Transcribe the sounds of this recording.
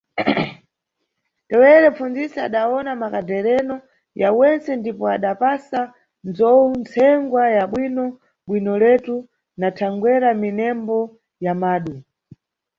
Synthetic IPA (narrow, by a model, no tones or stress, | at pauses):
tɛwɛɾɛfund͡zisaaɗaɔnamakadɛɾɛnɔ | jawɛnt͡sɛndipɔaɗapasa | nzɔunt͡sʰɛŋɡwajaɓwinɔ | ɓwinɔlɛtu | natʰaŋɡwɛɾaminɛmbɔ | jamaːɗu